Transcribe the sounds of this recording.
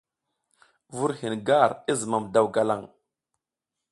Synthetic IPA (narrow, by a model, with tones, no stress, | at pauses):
vu˦ɾhi˨nɡa˦˨ɾi˦zə˨ma˨mda˦˨wɡa˨la˦˨ŋ